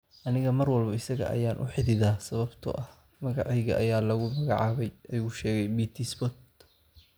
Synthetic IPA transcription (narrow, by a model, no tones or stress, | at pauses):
ʔɐnɪɣɐmɐrwɐlbɐɪsɐɣɐ̰ʔɐ̰jaːnʔʊ̰ħɪðɪðaːsɐβɐbt̪ʰɐ̰ʔɐh | mɐɣɑʕɑjɣɐ̰ʔɐjaːlɐɣʊmɐɣɑʕɑːβɛjʔɐjuːʃɛːɣɛjbiːt̪ʰisbɔt̪